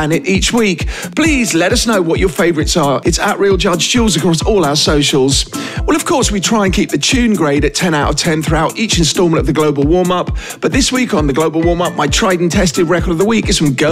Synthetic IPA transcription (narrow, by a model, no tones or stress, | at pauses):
nɪɾiˑt͡ʃwiˑkpʰl̥iːzlɛɾʌsnəʊwɒt͡ʃə˞feɪvəɹɪtsə˞ɪtsəʔɹiːlˠd͡ʒʌd͡ʒt͡ʃʰʉːlˠzəkɹ̥ɔsɔːlˠaʊəsəʊʃəl̩ˠz̥wɛlˠʌv̥kʰɔɹswitʰɹ̥aɪə̃nkʰiˑp̚ðɨt͡ʃʰʉ̃ːnɡɹeɪɾɨtʰɛ̃ñaʊtə̰v̥tʰɛ̃nθɹʉaʊɾiˑt͡ʃɪ̃nstɔːlˠmə̃ntəvðəɡloʊbəlˠwɔɹmʌp | b̥ʌt̪̚ðɪswiˑkn̩ðəɡloʊbəlˠwɔːmʌp̚maɪtʰɹ̥aɪdɪ̃ŋtʰɛstɪdɹɛkəɾəvðəwiˑkɨtsə̃mɡə